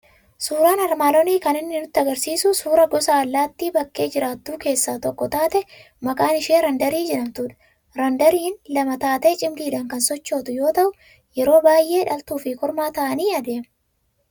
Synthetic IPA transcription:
suːɾaːnɐɾmaːlɔniːkɐnɪnːɪnʊt̪ːɪɐɡɐɾsiːsʊsuːɾɐɡɔsaːlːaːt̪ːibɐkːe̞ːd͡ʒɪɾaːt̪ːuːke̞ːsːaːt̪ɔkːɔt̪aːt̪ɛ | mɐkʼaːnɪʃiːɾɐnd̪ɐɾiːd͡ʒɛᶑɐmt̪ʊᶑɐ̥ | ɾɐnd̪ɐɾiːnlɐmɐt̪aːt̪eːt͡ʃʼɪmliːᶑɐŋkɐnsɔt͡ʃːo̞ːt̪ʊjo̞ːt̪ɐʔʊ | jɛɾo̞ːbaːjʔːe̞ːᶑɐlt̪uːfɪkɔɾmaːt̪ɐʔɐniːɐd̪e̞ːmɐ

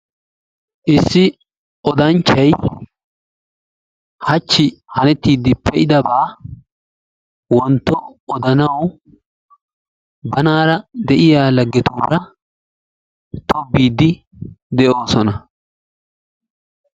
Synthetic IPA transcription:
ʔɪsːɪ | ʔɔd̪ɐnt͡ʃːɐj | hɐt͡ʃːɪhɐnɛt̪ːiːd̪ːɪpːɛʔɪd̪ɐbaː | wɔnt̪ːɔɔd̪ɐnɐw | bɐnaːɾɐd̪ɛʔɪjaːlɐɡːɛt̪uːɾɐ | t̪ɔbːiːd̪ːɪ | d̪ɛʔo̞ːsɔnɐ

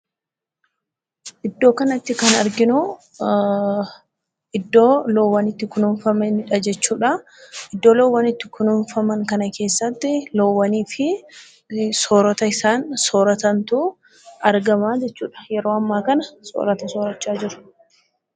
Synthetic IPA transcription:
ʔɪd̪ːo̞ːkɐnɐt̪ːɪkɐnɐɾɡɪnʊ | ɪd̪ːo̞ːlowːɐnɪt̪ːɪkʊnʊnfɐmɛnɪᶑɐd͡ʒɛt͡ʃːuːᶑɐ | ɪd̪ːo̞ːlowːɐnɪt̪ːɪkʊnʊnfɐmɐŋkɐnɐke̞ːsːɐt̪ːɪloːwːɐniːfɪ | soːɾɐt̪ɐɪsaːnsoːɾɐt̪ɐnt̪uː | ɐɾɡɐmaːd͡ʒɛt͡ʃːuːᶑɐ̥jɛɾo̞ːɐmːaːkɐnɐso̰ːɾɐt̪ɐsoːɾɐt͡ʃːaːd͡ʒɪɾʊ̥

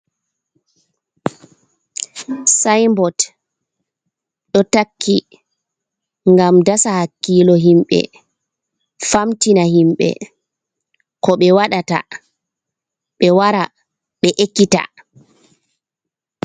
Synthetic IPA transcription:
sajmbɔt | ɗɔtakʰːi | ŋɡamdasahakːiːlɔɦimɓɛ̰ | famtinaɦimɓɛ̰ | kɔɓɛwaɗata̰ | ɓɛwaɾa | ɓɛʔekːita̰

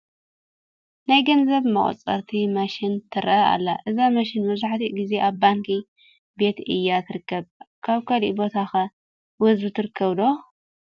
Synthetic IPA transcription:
najɡɐnzɐβmɐχʼɐ̰t͡sʼɐ̰ɾt̪ʰimɐʃɪnt̪ʰɨɾʔɐa̰lːaʔɨzamaʃɪnmɐβzaħt̪iʔɡize̞ʔaβbaŋki | be̞t̪ʔɨ̰jːat̪ʰɨɾɨkːɐβ | kʰaβkʰɐlḭʔbo̞t̪ʰaxɐ | wɔzbut̪ʰɨɾɨkʰːɐβd̪o̞

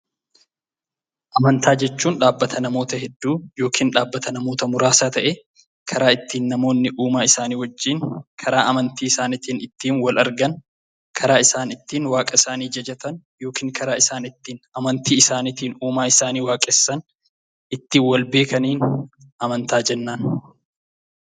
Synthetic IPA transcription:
ʔɐmɐnt̪ʰaːd͡ʒɛt͡ʃːuːnᶑaːbːɐt̪ʰɐnɐmo̞ːt̪ɐhɛd̪ːuːjo̞ːkʰiːnᶑaːbːɐt̪ɐnɐmo̞ːt̪ɐmʊɾaːsaːt̪ɐʔɛ | kʰɐɾaːɪt̪ːiːnːɐmo̞ːnːɪʔuːmaːɪsaːniːwɔd͡ʒːinkʰɐɾaːʔɐmɐnt̪iːɪsaːnɪt̪iːnɪt̪ːiːnwɐlɐɾɡɐn | kʰɐɾaːɪsaːnɪt̪ːiːnwaːkʼɐɪsaːniːd͡ʒɐd͡ʒɐt̪ɐn | jo̞ːkiːŋkɐɾaːɪsaːnɪt̪ːiːnɐmɐnt̪iːɪsaːnɪt̪iːnuːmaːɪsaːniːwaːkʼɛsːɐn | ʔɪt̪ːiːnwɐlbe̞ːkɐniːn | ʔɐmɐnt̪aːd͡ʒɛnːaːn

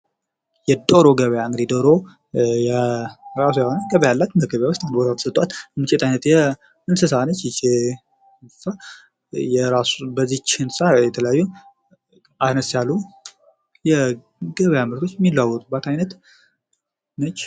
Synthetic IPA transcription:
jɛd̪oɾo̞ɡəβəjaɨŋɡɨd̪id̪oɾo | jɾasujɛhonəɡəβəjalːat̪məɡəβjawost̪and̪bo̞t̪ʰat̪ʰə̥sət̪ʼwat̪mɨt͡ʃʼet̪ʰajnət̪jɛ | ɨnsɨsanət͡ʃːjɪt͡ʃe | nsɨsa | jɛɾasubəzːit͡ʃɪnsajɛt̪ʰələjajːu | ʔanəsjalːu | jɛ | ɡəβəjaməβɾo̞t͡ʃːjɛmːilːawːɔt̪ʼubat̪ajnət̪ | nət͡ʃː

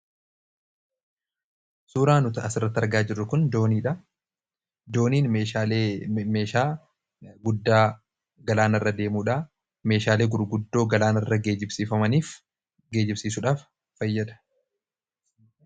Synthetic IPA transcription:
suːɾaːnʊt̪ɐɐsɪrːɐt̪ːɐɾɡaːd͡ʒɪrːʊkʊnd̪oːniːᶑɐ | d̪o̞ːniːnmeaːleeːʃaː | ɡʊd̪ːaː | ɡɐlaːnɐrːɐd̪e̞ːmuːᶑaː | me̞ːʃaːle̞ːɡʊɾɡʊd̪ːo̞ːɡɐlaːnɐrːɐɡeːd͡ʒɪbsiːfɐmɐniːf | ɡe̞ːd͡ʒɪbsiːsʊᶑaːf | fɐjːɐd̪ɐ̥

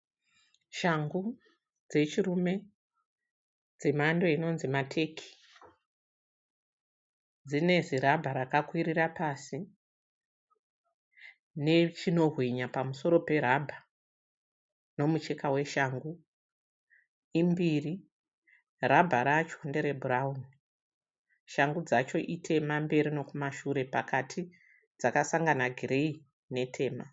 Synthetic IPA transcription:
ʃaŋɡu | d͡ze̞t͡ʃiɾume̞ | d͡zemando̞ino̞nzimatʰe̞kʰi̥ | d͡zine̞ziɾabʱaɾakakwiɾirapaːsi | ne̞t͡ʃino̞ɦwiɲapamuso̞ɾo̞pe̞ɾabʱa | no̞mut͡ʃe̞kawe̞ʃaːŋɡu | imbiːri | rabʱaɾat͡ʃondeɾe̞bʱurauni | ʃaŋɡud͡zat͡ʃo̞ʔitʰe̞mambe̞ɾino̞kumaʃuɾe̞pakatʰi | d͡zakasaŋɡanaɡʱiɾei | ne̞tʰe̞ːma

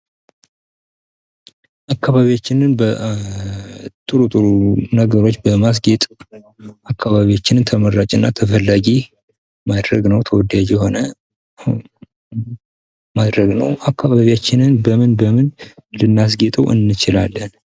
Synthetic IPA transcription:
ʔakːaβaβijat͡ʃːɪnɨnbə | t̪ʼɨɾut̪ʼɨɾunəɡəɾo̞t͡ʃːbəmas̬ɡet̪ʼ | akʰːaβaβiat͡ʃːɪnɨnt̪ʰəməɾːat͡ʃʼɨnːat̪ʰəfəlːaɡi | mad̪ɾəɡnəwt̪ʰəwɔd̪ad͡ʒjɛho̞nə | mad̪ɾəɡnəwʔakʰːaβaβijat͡ʃːɪnɨnbəmɨnbəmɨnlɨnːas̬ɡet̪ʼəwʔɨ̰nːɨt͡ʃɪla̰lːən

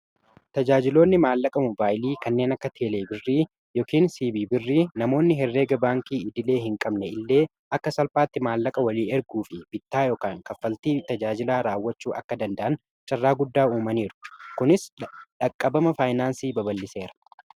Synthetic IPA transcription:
t̪ɐd͡ʒaːd͡ʒɪlo̞ːnːɪmaːlːɐkʼɐmɔbaːjliːkɐnːe̞ːnɐkːɐt̪ʰeːleːbɪrːiː | jɔːkiːnsiːbiːbɪrːiːnɐmo̞ːnːɪɦɛrːeːɡɐbaːŋkiːɪd̪ɪle̞ːɦɪŋkʼɐbnɛɪlːe̞ː | ʔɐkːɐsɐlfaːt̪ːɪmaːlːɐkʼɐwɐliːnɛɾɡuːfɪb̥ɪt̪ːaːjoːkaːŋkɐfːɐlt̪iːt̪ɐd͡ʒaːd͡ʒɪlaːɾaːwːɐt͡ʃːuːʔɐkːɐd̪ɐnd̪ɐʔɐn | t͡ʃʼɐrːaːɡʊd̪ːaːuːmɐniːɾʊ̥kʊnɪsᶑɐkʼːɐbɐmɐfaːjnaːnsiːbɐbɐlːɪse̞ːɾɐ̥

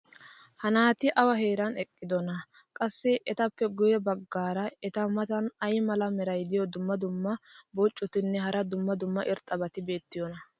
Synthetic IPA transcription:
hɐnaːt̪ɪʔɐwɐhe̞ːɾɐnɛkʼːɪd̪ɔnɐ | kʼɐsːɛʔɛt̪ɐpːɛɡʊjɛbɐɡːaːɾɐɛt̪ɐmɐt̪ɐnɐjmɐlɐmɛɾɐjd̪ɪjɔd̪ʊmːɐd̪ʊmːɐbot͡ʃʼːʊt̪ɪnːɛɦɐɾɐd̪ʊmːɐd̪ʊmːɐʔɪɾt̪ʼɐbɐt̪ɪbe̞ːt̪ːɪjɔnɐ

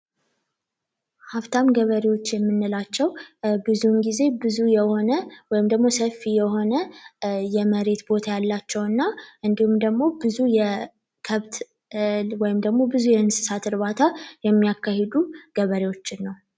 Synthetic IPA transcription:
haft̪ʰamɡəβəɾewo̞t͡ʃːjɛmːɨnːɨlat͡ʃːɛwbɨzunɡize̞bɨzujɛho̞nəwɔjɪmd̪əɡmo̞səfijɛɦo̞nəjɛməɾe̞t̪bo̞t̪ʰajalːat͡ʃːɛwɨnːaʔɨnd̪ihumd̪əɡmo̞bɨzujɛ | kʰəβt̪ | wɔjɪmd̪əɡmo̞bɨzujɛɨnsɨ̥sat̪ɨɾβat̪ʰajɛmːijakːahed̪uɡ̥əβəɾewo̞t͡ʃːɪnːəw

